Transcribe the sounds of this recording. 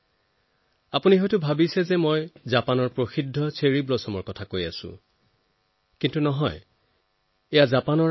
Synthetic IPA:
apuniɦojtʊbʱabisɛzɛmojzapanɔɹpɹoxidʱːɔsʰeɹiblɔsɔmɔɹkɔtʰakoja̰sʊ̰̃ | kintunɔɦɔj | ɛjazapanɔ

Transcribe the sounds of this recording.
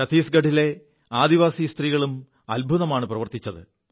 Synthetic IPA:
ɐt̪iːsɡɐɖʱile̞ | aːd̪iʋaːsist̪riːɣɐɭum | ɐlbʱuðɐmaːɳɨprɐʋɐrt̪it͡ɕːɐðɨ̰

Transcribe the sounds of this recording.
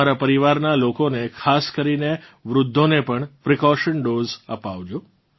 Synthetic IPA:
aɾapəɾiʋaɾnalokonekʰaskəɾineʋɾʊd̪ʱːonepəɳpɾikɔʃəɳɖozəpaʋd͡ʒu

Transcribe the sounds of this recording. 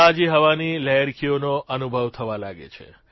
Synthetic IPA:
ad͡ʒiɦəʋanilɛɦəɾkʰionoʔənubʱəʋt̪ʰəʋalaɡḛt͡ʃʰḛ

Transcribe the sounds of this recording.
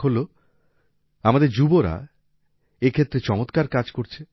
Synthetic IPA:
ɦolo | amad̪eɾd͡ʑuboɾa̰ | ekʰet̪ːɾet͡ɕɔmot̪kaɾkad͡ʑkoɾt͡ɕʰe

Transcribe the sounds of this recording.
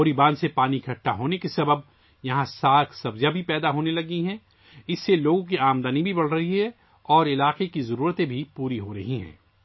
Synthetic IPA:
oːɾibaːnsepaːnikʰɐʈːaɦoːnekesɐbəb̚ | jɐɦãsaːk̪ʰsɐbzjabʱipɛːd̪aɦoːnelɐɡiɦɛ̃ː | ɪsːeloːɡõk̬iaːmd̪anibʱibɐɽ̤ɾɐɦiɦɛ | ɔːɾɪlaːqekizɐɾuːɾət̪ẽbʱipuːɾiɦoɾɐɦiɦɛ̰̃ː

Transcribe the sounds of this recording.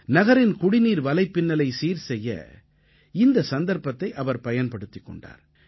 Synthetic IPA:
nɐɣɐɾɪnkʊɽɪniːɾʋɐlɐɪpːɪnːɐlɐɪsiːɾsɛjːɐ̰ | ɪnd̪ɐsɐnd̪ɐɾpɐt̪ːɐɪʔɐʋɐɾpɐjɐnpɐɽɯt̪ːɪkːɔ̰ɳɖa̰ːɾ

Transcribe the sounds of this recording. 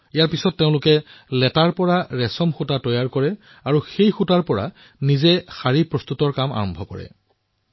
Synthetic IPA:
ijaɹpisɔtːeʊ̃lʊkɛlɛtaɹpɔɹaɹɛsɔmxutatɔjaɹkɔɹɛ | aɹuxejxutaɹpɔɹa̰ | nizɛxaɹipɹɔst̪utɔɹkama̰ɹɔmbʱɔkɔ̰ɹɛ̰

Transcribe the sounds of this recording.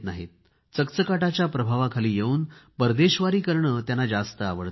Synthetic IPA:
t̪naɦḛt̪̚ | t͡səkt͡səkaʈat͡ɕjapɾəbʱaʋakʰaliːjeuːnbəɾd̪eɕʋaɾiːkəɾɳəːt̪janːad͡zast̪əaʋəɭt̪

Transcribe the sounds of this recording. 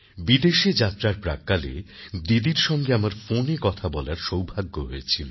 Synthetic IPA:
bid̪eʃed͡ʑat̪ːɾaɾpɾa̰kːalḛ | d̪id̪iɾʃɔŋɡeamaɾfonekɔt̪ʰabɔlaɾʃowbʱaɡːoɦojet͡ɕʰilo

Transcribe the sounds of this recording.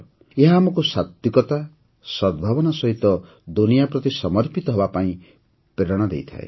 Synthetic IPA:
eɦaːmɔkusat̪jukɔt̪a | sɔd̪̚bʱabɔnɔsɔɦit̪ɔ | d̪unijapɾɔt̪isɔmɔɾpit̪ɔɦɔbapaĩ | pɾeɾɔɽ̃ɔd̪ḛjt̪ʰa̰ḛ

